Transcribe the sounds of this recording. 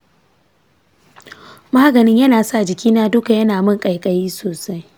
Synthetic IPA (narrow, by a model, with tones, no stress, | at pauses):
maː˦ɡɐ˨nɪ˦ɲjɐ˦naː˨sa˦ʔd͡ʒɪ˨kʲʰiː˦naː˦dʊ˦ka˨jɐ˦naː˨mʊ˦˨ŋkʼɐ˨jkʼɐ˨jiː˦soː˨sa˦j